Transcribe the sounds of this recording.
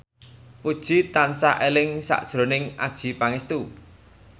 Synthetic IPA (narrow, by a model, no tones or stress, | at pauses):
kud̥ʒ̥i̤t̪ansaʔelɪŋsa̰ʔd̥ʒ̥ɾo̤nɪŋa̰d̥ʒ̥i̤paŋɪst̪u